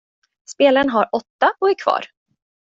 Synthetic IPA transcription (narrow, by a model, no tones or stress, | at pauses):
speːlaɾənɦaɾɔt̪ːaɔæɾkʰv̥ɑ̰ːɾ